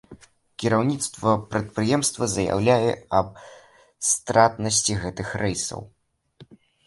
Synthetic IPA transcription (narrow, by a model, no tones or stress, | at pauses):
kʲiɾawnʲit̪st̪vɐpɾɐt̪̚pɾɨjɛmst̪vɐzɐja̰wlʲajɛɐb̚ | st̪ɾat̪nɐsʲt͡sʲiɣɛt̪ɨxrɛjsɐ̰w